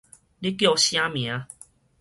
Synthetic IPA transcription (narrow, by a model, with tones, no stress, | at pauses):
li˦kjo˥˧˨ɕjã˦mj̃ã˨˦